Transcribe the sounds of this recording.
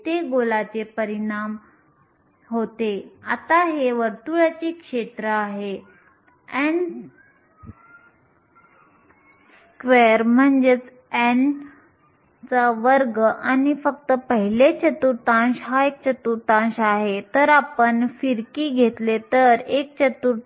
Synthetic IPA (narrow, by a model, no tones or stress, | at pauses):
t̪eɡolat͡sepəɾiɳ̃am | ɦot̪eat̪aɦeʋəɾt̪uɭat͡ɕikʂet̪ɾəaɦe | ɛn | s | kʋeɾm̤əɳd͡ʑet͡s | ɛn | t͡saʋəɾɡʔanifəkt̪əpəɦilet͡ɕət̪uɾt̪ãɕɦaek̚t͡ɕət̪uɾt̪ãɕaɦet̪əɾapəɳfiɾkiːɡʱet̪let̪əɾek̚t͡ɕət̪uɾ